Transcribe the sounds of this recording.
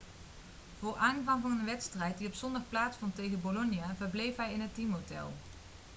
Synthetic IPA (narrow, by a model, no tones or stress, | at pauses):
v̥ʊːɹʔaːnvɑŋvɑnənʋɛtstrɛjt̚diɔpsɔndɑχplaːtsfɔntejɣənbolɔnjavəɹblejfɦɛjɪnɦətimɦowtɛ̰lˠ